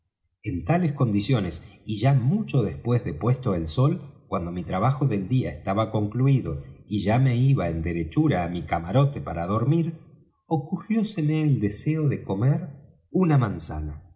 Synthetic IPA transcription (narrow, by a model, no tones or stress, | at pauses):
e̞nt̪ale̞sko̞nd̪isjo̞nesiʒamut͡ʃo̞ðe̞spwezðepwest̪o̞elso̞lkwand̪o̞mit̪ɾaβ̞axoðe̞ld̪iaest̪aβako̞ŋkluiðo̞iʒame̞iβaend̪e̞ɾe̞t͡ʃuɾaːmikamaɾo̞t̪e̞paɾaðo̞ɾmiɾ | o̞kuxjo̞semeːld̪e̞seo̞ðe̞ko̞meɾ | unamansa̰na